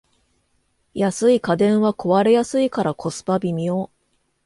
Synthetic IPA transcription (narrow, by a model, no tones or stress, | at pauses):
jasɨikad̪ẽ̞ɰ̃βako̞βaɾe̞jasɨikaɾakʰo̞sɨ̥pabʲimʲioː